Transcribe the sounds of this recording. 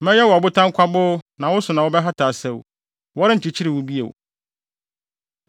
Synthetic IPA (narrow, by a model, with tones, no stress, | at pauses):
mɛ̃˦jɛ˦wʊ˨a˨bʊ˦tʰã˦ŋ˦kʷʰa˦bʊ˦nã˨wʊ˦sʊ˨nã˨wʊ˦bɛ˦ɦa˦tʰaː˨sɛ˦˨wṵ˨ | wɔ˦ɾɪ˦ɲ̩˨t͡ɕi˨t͡ɕʰi˦ɾɪ˨wʊ˦bi˦ḛ˨w̰